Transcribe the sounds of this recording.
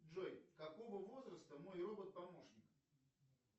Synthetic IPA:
ʐojkɐko̞vəvo̞zɾəst̪əmo̞jrobət̪̚pɐmo̞ʂnʲɪk

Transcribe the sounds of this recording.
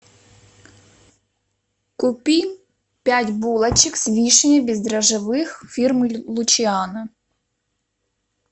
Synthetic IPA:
kʊpʲi | pʲatʲbulˠɐt͡ʃɪksʲʋʲiʃenʲɐbʲizd̪ɾɐʒɪʋɪxfʲirmlˠʊt͡ʃɪɑnɐ

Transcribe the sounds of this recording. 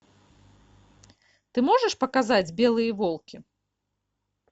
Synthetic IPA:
t̪ɨmɔʐɐʂpɐkazad͡zʲbʲɛlˠɨjɐvɔlˠkʲi

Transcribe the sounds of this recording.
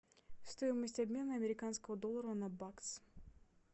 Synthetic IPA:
st̪ojɪməsʲtʲɐbʲmʲe̞nəɐmʲɪɾʲɪkanskəvəd̪olˠːəɾənɐbaks

